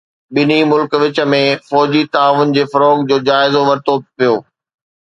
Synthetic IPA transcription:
ɓɪnimʊlkʋɪt͡ɕə̆mẽfɔːd͡ʑit̪aːʋʊn̆d͡ʑeːfɐɾoːɡ̚d͡ʑoːd͡ʑaːɪzoʋɐɾt̪opijoː

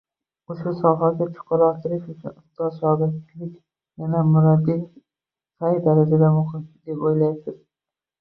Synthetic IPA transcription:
oʃʊsɒɦaɡʲat͡ʃʰʊ̥qʰʊɾɒt̪ʰɪɾɪʃʊt͡ʃʰʊnʊst̪ɒzʃɑɡat̪t͡ʃʰlɪkʲ | janamʊɾad̪ːɪ | t̪ʰajd̪aɾad͡ʒad̪amʊχɪmd̪epojlaj̚t̪ʰɪɾ

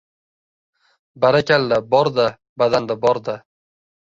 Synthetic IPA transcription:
baɾakʲald̪abɒɾd̪a | bad̪and̪abɒɾd̪a

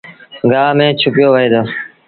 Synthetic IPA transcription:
ɡaːmẽːt͡ʃʰʊpjoːʋəɦeːd̪oː

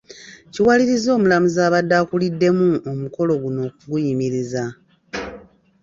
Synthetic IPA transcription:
ciwaliɾizo̞ːmulamuzaːβadːakulidːe̞muomuko̞lo̞ɡuno̞ːk̚uɡujimiɾiza

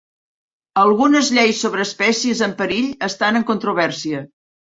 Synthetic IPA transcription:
əlˠɣunəzʎejsːoβɾəːspɛsiəzəmpəɾiʎəst̪anəŋkunt̪ɾuβ̞ɛrsiə

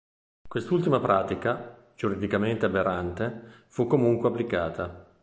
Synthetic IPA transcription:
kwest̪ult̪imapɾʔaːt̪ika | d͡ʒuɾid̪ikament̪eabeɾʔant̪e | fukːomuŋkweapːlikaːt̪ʰa

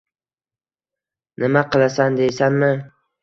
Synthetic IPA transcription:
nʔɪmaqʰɨlˠasand̪ejsanmɪ

